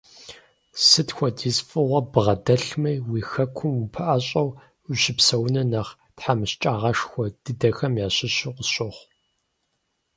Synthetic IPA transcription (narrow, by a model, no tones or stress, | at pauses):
sɨtxʷɔdizfʼɨʁʷɐbʁɐdɐɬmɐjwiːxɐkʷʰʊmupʰɐʔaɕʼɐw | ɕɪpsɐwnɐnɐχ | tħamɨɕt͡ʃʼaːʁɐʂxʷɔd̥ɨdɐxɐmjaːɕɪɕɪqʷəɕoχʷ